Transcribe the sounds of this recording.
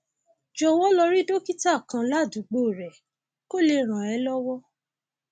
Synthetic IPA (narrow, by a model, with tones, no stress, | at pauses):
d͡ʒɔ˧wɔ˦lɔ˧ɾi˦do˦ki˦ta˦˨kã˨˧la˦˨du˨˦ɡ͡bo˦˨ɾɛ˨ | ko˦˨le˧ɾ̃ã˨ɛ˨˦lɔ˦wɔ˦